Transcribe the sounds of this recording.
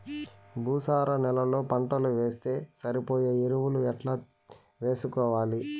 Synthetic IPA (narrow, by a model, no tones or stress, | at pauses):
bʱuːsaːɾɐnɛlɐlo̞ːpɐɳʈɐluʋe̞ːst̪e̞ːsɐɾipoːjeːeɾuʋuluɛʈlaː | ʋeːsukɔːʋaːli